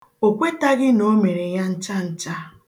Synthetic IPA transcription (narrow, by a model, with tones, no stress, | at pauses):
o˨kʷe˦ta˦ɡɪ˦no˦me˨ɾe˨ja˦n̩˦t͡ʃa˦n̩˦t͡ʃa˦